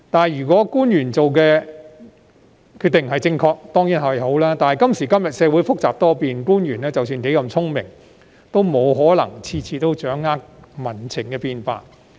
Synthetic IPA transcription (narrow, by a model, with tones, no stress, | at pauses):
t̪aː˨jyː˨˩kʷɔː˨˥kuː˥njyː˨˩nt͡so˨wkɛː˧ | kʰyː˥˧t̪ɪ˨ŋ˨ɦɐ˨jt͡sɪ˧ŋkʰɔː˧k̚t̪ɔː˥ŋjiː˨˥nhɐ˨˩˨ho˨˥wlaː˥t̪aː˨nɦɐ˨jkɐ˥msiː˨˩kɐ˥mjɐ˨t̚sɛː˨˧wu˨˥jfʊ˥k̚t͡saː˨p̚t̪ɔː˥piː˨nkuː˥njyː˨˩nlɛː˥t͡sɐ˨wsyː˧nke˨˥jkɐ˧mt͡sʰʊ˥ŋmɪ˨˩ŋ | t̪o˥wmo˨˧wɦɔː˨˥lɐ̰˨˩ŋt͡sʰiː˧t͡sʰiː˧t̪o˥wt͡ʃœː˨˥ŋaː˥k̚mɐ˨˩nt͡sʰɪ˨˩ŋkɛː˧piː˧nfa̰ː˧t̚